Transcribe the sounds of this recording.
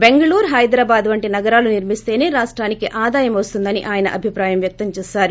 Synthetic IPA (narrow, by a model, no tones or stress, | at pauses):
be̞ŋɡɐɭuːɾɦɐjd̪ɾaːbaːd̪ʋɐɳʈinɐɡɐɾaːluniɾmist̪e̞ːne̞ːɾaːʂʈɾaːnikiʔaːd̪aːjɐmʋɐst̪und̪ɐnḭʔaːjɐnɐ̰ʔɐbʱipɾaːjɐmʋjɐk̚t̪ɐmt͡ʃɛːsaːɾu